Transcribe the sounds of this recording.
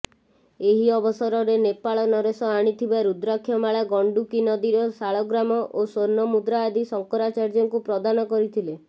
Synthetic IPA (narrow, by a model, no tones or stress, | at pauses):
eɦiɔbɔsɔɾɔɾenepaɭɔnɔɾesɔaɽ̃it̪ʰibaɾud̪ɾɔkʰːjɔmaɭaɡɔɳɖukinɔd̪iɾɔsaɭɔɡɾamɔʔosoɾnɔmud̪ɾaːd̪isɔŋkɔɾat͡ʃaɾd͡ʒɔŋkupɾɔd̪anɔkɔɾit̪ʰile